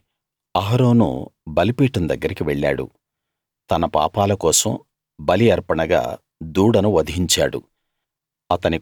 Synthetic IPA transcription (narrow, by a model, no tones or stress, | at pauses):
ɐɦɐɾoːnṵbɐlipiːʈɐnd̪ɐɡːɐɾikiʋeɭːa̰ːɽṵ | t̪ɐnɐpa̰ːpaːlɐkɔːsɐm | bɐliɐɾpɐɳɐɡa̰ː | d̪uːɽɐnuʋɐd̪iɦiɲt͡ʃaːɽṵ | ɐt̪ɐni